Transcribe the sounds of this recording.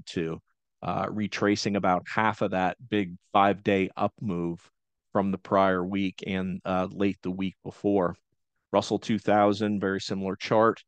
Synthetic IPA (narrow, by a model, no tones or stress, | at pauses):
tʰʉ | ʔɹitʰɹ̥eɪsɪ̃ŋɨbaʊt̚hæfʌvðɨt̚b̥ɪɡ̚faɪvdeɪʔʌ̰pmuv̥ | fɹʌ̃mðəpʰɹ̥aɪə˞wikʰɨ̃nleɪt̪̚ðəwik̚b̥əfɔɹ | ɹʌsl̩ˠtʰʉθaʊzɨ̃nvɛɹisɪ̃ml̩ˠə˞t͡ʃʰɑɹt̚